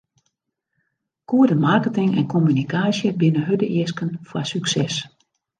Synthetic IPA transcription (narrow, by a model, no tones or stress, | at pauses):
kʰuədəmarkətɪŋɛ̰nkʰɔmynikʰaːsjəbɪnəɦødəʔɪəskənfwasyksɛs